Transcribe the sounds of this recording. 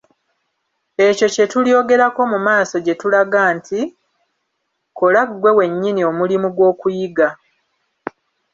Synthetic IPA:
e̞co̞ce̞tuljo̞ːɡe̞ɾako̞mumaːso̞ɟe̞tulaɡaːnti | kolaɡwe̞we̞ɲːinio̞mulimuɡwo̞ːkujiɡa

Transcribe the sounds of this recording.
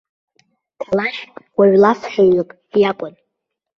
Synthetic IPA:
tʰalaχʲwaɥlafħaɨpʼ | jakʷʼʊn

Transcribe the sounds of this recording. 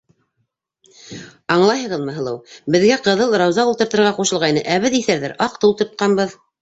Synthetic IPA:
ɑɴlˠɑjɦɤ̆ʁɤðmɤ̆ɦɤ̆lˠɤwbɘ̆ðɡæqɤ̆ðɤlˠɾɑwzɑulˠt̪ɤ̆ɾt̪ɤ̆ɾʁɑquʃɤ̆lˠʁɑjnɤʔæβɘðiθæɾðæɾɑqt̪ɤulˠt̪ŏɾt̪̚qɑnbɤð

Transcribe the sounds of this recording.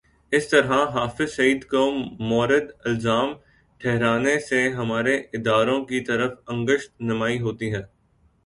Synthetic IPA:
ɪst̪ɐɾɦaɦaːfɪzsɐiːd̪koːmːɔːɾɪd̪ɪlzaːm | ʈʰɛɦɾaːneseɦɐmaːɾeɪd̪aːɾõkit̪ɐɾəfɐ̃ŋɡəʃt̪nɐmaːiɦoːt̪iɦɛ̃ː

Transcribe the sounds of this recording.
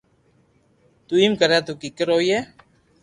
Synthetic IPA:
t̪uimkəɾat̪ukikəɾoiɛ

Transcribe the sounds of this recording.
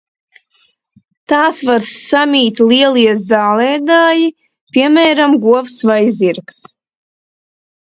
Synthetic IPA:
t̪aːsvaɾsamʲiːt̪lˠiɛlˠiɛzaːlˠɛːd̪aːji | pʲiɛmɛːɾamɡuɔvsvajziɾks

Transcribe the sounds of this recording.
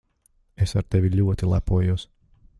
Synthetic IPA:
esaɾt̪evʲilʲuɔt̪ilˠapuɔjuɔs

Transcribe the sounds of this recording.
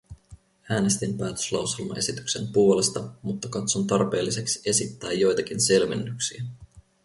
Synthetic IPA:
æːne̞st̪impæːt̪ø̥slɑwse̞lmɑ̰ʔe̞sit̪y̥kse̞mpuo̞le̞st̪ɑmut̪ːɑkɑt̪so̞nt̪ɑrpe̞ːlːise̞ksi̥e̞sit̪ːæːjːo̞jt̪ɑk̟inse̞lmenːyksiæ

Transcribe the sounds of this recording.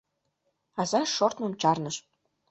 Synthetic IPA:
ɑzɑʃort̪nɤmt͡ɕɑrnɤ̆ʃ

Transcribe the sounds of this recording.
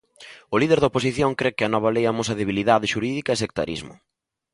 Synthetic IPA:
ʊliðeɾðɐopos̬iθjoŋkɾekɪɐnɔβalejamos̬ɐðeβiliðaðɪʃuɾiðikɐesek̚t̪a̰ɾḭzmʊ̰

